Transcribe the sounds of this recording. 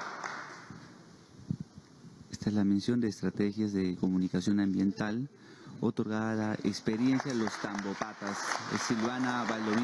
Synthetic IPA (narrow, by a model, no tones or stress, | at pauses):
est̪aezlame̞nsjo̞nd̪eːst̪ɾat̪exjazðeko̞munikasjo̞nãmbje̞nt̪al | ot̪o̞ɾɣaðalaʔekspeɾje̞nsjalo̞st̪ambopat̪asḛsilβanaβalloβi